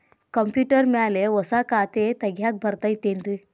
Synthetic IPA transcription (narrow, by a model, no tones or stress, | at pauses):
kəmpjuʈəɾmɛaleʋəsakat̪et̪əɡʱjak̚bʱəɾt̪əjt̪enɾi